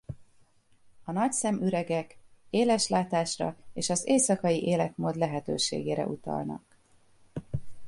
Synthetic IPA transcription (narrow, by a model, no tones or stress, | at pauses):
ɒnɒcsɛmyɾɛɡɛkeːlɛʃlaːt̪aːʃrɒ̰eːʃɒzeːsɒkɒjiʔeːlɛt̪moːd̪lɛɦɛt̪øːʃḛːɡḛːɾɛ̰ʔut̪ɒ̰lnɒ̰k